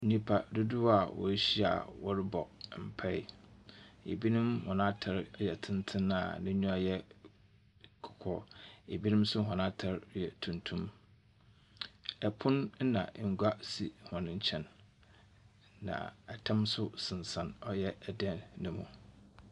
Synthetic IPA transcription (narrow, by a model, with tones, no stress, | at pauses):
nĩ˦pʰa˨du˦du˦a˨wɔ̰˨˦ɕi˦a̰˨wɔ˦ɾɪ˦bɔ̰˨m̩˨pʰɛ˦ɪ˦ | ḛ˨bi˦nɪ̃˦mhɔ̰̃˨nã˦tʰa˨ɾjɛ˨tʰɪ̃˦ntʰɪ̃˦na˨nɪ̃˦ɲũ˦a˦jɛ˦ | kʰɔ̥˨kʰɔ̰˦e˨bi˦nɪ̃˦msʊ˦ɦɔ̃˨nã˦tʰa˦ɾjɛ˨tʰũ˨ntʰũ˦m | ɛ˨pʰʊ̃˦n̩˦nã̰˨ʔŋ̩˨ɡʷa˦si˨hɔ̃˨nɪ̃˦ɲ̩˦t͡ɕʰɛ̃˨n | ã̰˨ɛ˨tʰã˦msʊ˦sɪ̃˨n˨sã˨nɔ˦jɛ˦ɛ˨dɛ̃˦˨nnʊ̃˦mṵ̃˨